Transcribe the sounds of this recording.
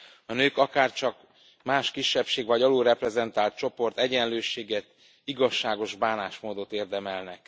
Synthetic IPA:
ɒnøːkɒkaːrt͡ʃɒk | maːʃkiʃːɛpʃeːɡʋɒɟɒloːɾɛprɛzɛnt̪aːlt̪̚t͡ʃo̞po̞rt̪ɛɟɛnløːʃeːɡɛt̪ | iɡɒʃːaːɡo̞ʒbaːnaːʃmoːd̪o̞t̪eːrd̪ɛmɛlnɛk

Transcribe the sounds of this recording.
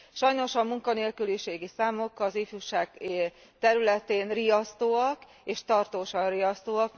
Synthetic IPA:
ʃɒjno̞ʃɒmuŋkɒneːlkyliʃeːɡisaːmo̞kɒziːfyːʃaːɡ̚ | t̪ɛɾylɛt̪eːnrijɒst̪oːɒk | eːʃt̪ɒrt̪oːʃɒrijɒst̪oːɒk

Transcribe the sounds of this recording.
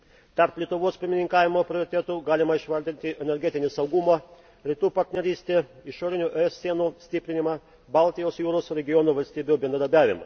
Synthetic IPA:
t̪ɐɾplʲiɛt̪ʊʋoːspʲɪɾʲmʲɪnʲɪŋkɑːʋʲɪmoːpʲɾʲɪoɾʲɪt̪ʲɛt̪uːɡɑːlʲɪmɐɪʃʋɐɾʲd̪ʲɪnʲt̪ʲɪʔɛnʲɛɾʲɡʲɛt̪ʲɪnʲɪsɐʊɡumɐ | ɾʲɪt̪uːpɐɾʲt̪ʲnʲɛɾʲiːsʲt̪ʲeːɪʃoːɾʲɪnʲuːʔɛɛsːʲiɛnuːsʲt̪ʲɪpʲɾʲɪnʲɪmɐ | bɑˑlˠʲt̪ʲɪjoːsjuːɾoːsɾʲɛɡʲɪjɔnuːʋɐlʲst̪ʲiːbʲubʲɛnd̪ɾɐd̪ɐɾʲbʲæːʋʲɪmɐ̰

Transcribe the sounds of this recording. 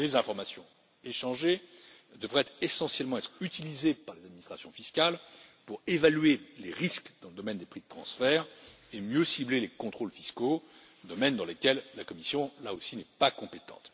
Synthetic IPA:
lezɛ̃fɔʁmasjɔ̃ | eʃɑ̃ʒe | d̪əvʁɛt̪esɑ̃sjɛlmɑ̃ɛt̪χyt̪ilizepaʁlezad̪̚minist̪χasjɔ̃fiskʲalpuʁevalɥeleʁiskd̪̥ɑ̃ləd̪ɔmɛnd̪epχid̪ət̪χɑ̰̃sfɛːʁ | emjøsiblelekɔ̃t̪χolfisko | d̪ɔmɛnd̪ɑ̃lekʲɛlːakɔmisjɔ̃laosinɛpakɔ̃pet̪ɑ̰̃t̪

